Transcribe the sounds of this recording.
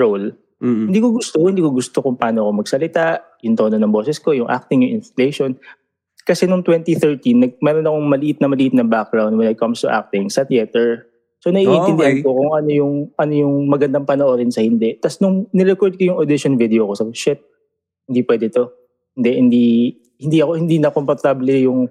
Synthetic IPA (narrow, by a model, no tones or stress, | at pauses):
ɹowl | ɪnd̪iːkoɡʊst̪ooɪnd̪iːkoɡʊst̪okʊŋpɐaːnoɐkomɐɡsɐlɪt̪aʔ | jʊŋt̪o̞ːnonɐŋbo̞ːsɛsko̞jʊŋʔa̰k̚t̪ɪŋjʊŋʔɪnslejʃon | kɐsɛnʊŋt̪wɛnt̪iθɛɹt̪inːɐɡ̚mɛːɾonɐko̞ŋmɐlɪʔɪt̪̚nɐmɐlɪʔɪt̪̚nɐŋbak̚ɡɹawnd̪wɛnɐjkɐmst̪ʊʔa̰k̚t̪ɪŋsɐt̪jɛt̪ɛɹ | sonɐʔiːʔɪ̃nɪnd̪ɪhanko̞kʊŋʔɐno̞jʊŋʔɐno̞jʊŋmɐɡɐnd̪ɐŋpɐnɐʔoɾɪnsɐhɪnd̪ɛt̪ɐsnʊŋnɪɾɛkoɹd̪̚kojʊŋod̪ɪʃonvid̪ɛoko̞sɐʃɛt̪̚ | hɪnd̪iːpwɛːd̪ɛt̪o̞ | hɪnd̪ɛhɪnd̪i | hɪnd̪iʔɐko̞hɪnd̪inɐkompɐt̪ablɛjʊŋ